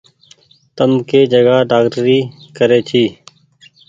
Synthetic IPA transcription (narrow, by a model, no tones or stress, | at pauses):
t̪əmkeːd͡ʒəɡaːɖaːkʈəɾiːkəɾeːt͡ʃʰiː